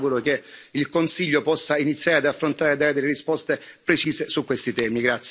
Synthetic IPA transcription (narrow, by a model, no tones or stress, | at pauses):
ɡuɾok̟eilkonsiʎːopɔsːainit̪sːjaːɾead̪afːɾont̪aːɾed̪eled̪elːeɾispɔst̪epɾet͡ʃiːzesukːwest̪it̪ɛːmiɡɾat̪s